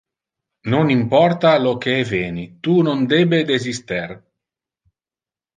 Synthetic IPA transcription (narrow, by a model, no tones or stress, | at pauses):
nonimpɔrt̪alokeveːnit̪unond̪eːbed̪ezist̪er